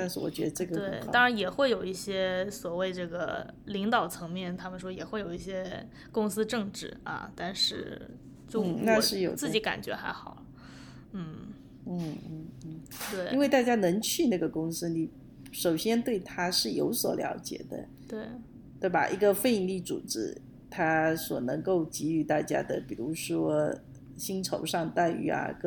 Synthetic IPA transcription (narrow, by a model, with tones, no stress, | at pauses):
t̪a˥˧nʂ̩˥˩wɔ̰˨˩t͡ɕɥɛ˧˥d̪ə˧ʈ͡ʂɤ˥˩ɡət̪we˥˩ɪt̪ɑ˥ŋɻa˧˥njɛ˨˩xwe˥˩ɪjo˨˩ʊi˥˩ɕjɛ˥swɔ˨˩we˥˧ɪʈ͡ʂɤ˥˩ɡə̰˩ | li˧˥ŋt̪ɑ˨˩ʊt͡sʰɤ˧˥ŋmjɛ˥˩nt̪ʰa˥mə˨nʂ̬wɔ˥jɛ˨˩xwe˥˩ɪjo˨˩ʊi˥˩ɕjɛ˥ | kʊ˥ŋsɹ̩˥ʈ͡ʂɤ˥˧ŋʈ͡ʂɻ̩˥˩ɐ̰˧˩t̪a˥˧nʂɻ̩˥˩ | t͡ɕjo˥˧˥na˥˧ʂɻ̩˥˩jo̰˨ʊt͡sɹ̩˥˩t͡ɕi˧˥ka̰˨˩nt͡ɕɥɛ̰˧˥xa˧˥ɪxɑ˨˩ʊlə˦ | n̩˥˩ | n̩˥˩n̩˥˩˥t̪we˥˩ɪi˥nwe˥˧ɪt̪a˥˩t͡ɕja˥nɤ˧˥ŋt͡ɕʰy˥˧na˥˩ɡə˩kʊ˥ŋsɹ̩˥ni˧˥ | ʂo˨˩ʊɕjɛ˥nt̪we˥˩ɪt̪ʰa˥ʂɻ̩˥˩jo̰˧˥ʊswɔ̰˨˩ljɑ̰˧˥ʊt͡ɕjɛ̰˨˩d̪ə̰˦ | t̪we˥˩ɪ | t̪we˥˩ɪba̰˨˩ʔi˧˥ɡə˧fe˥˧ɪ˧li˥˩t͡sṵ˨˩ʈ͡ʂɻ̩˥ | t̪ʰa˥swɔ̰˨˩nɤ˧˥ŋko˥˩ʊt͡ɕi˧˥y˧˩˦t̪a̰˥˩t͡ɕja̰˥d̪ə˨pi˨˩ɻu˧˥ʂwɔ˥ | ɕi˥ŋʈ͡ʂʰo˧˥ʊʂɑ˥˧ŋt̪a˥˩ɪy̰˧˥ɐ̰˧˩k